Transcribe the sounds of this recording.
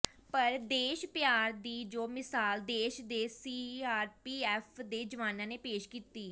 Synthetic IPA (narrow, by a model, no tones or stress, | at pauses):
pəɾd̪eːʃpjaːɾd̪iːd͡ʒoːmɪsaːld̪eːʃd̪eːsiːaːɾpiːɛːfʰd̪eːd͡ʒəʋaːnãːneːpeːʃkiːt̪iː